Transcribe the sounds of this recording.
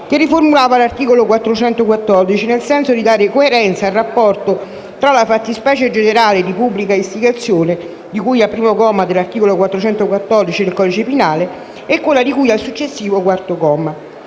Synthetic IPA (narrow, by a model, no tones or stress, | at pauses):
kerːiformulaːvalart̪iːkolokwat̪ːɾot͡ʃɛnt̪okwat̪ːɔrd̪it͡ʃinelsɛnsod̪id̪aːɾɪkoeɾɛnt̪saːrːapːɔrt̪o | t̪ɾalafat̪ːispɛːt͡ʃed͡ʒeneɾaːled̪ipubːlikaist̪iɡat̪sːjoːne | d̪ikujapːɾiːmokɔːmad̪elːart̪iːkolokwat̪ːɾot͡ʃɛnt̪okwat̪ːɔrd̪it͡ʃid̪elkɔd̪it͡ʃepinaːle | ɛkːelːad̪ikujalsut͡ʃːesːiːvokwart̪okɔːma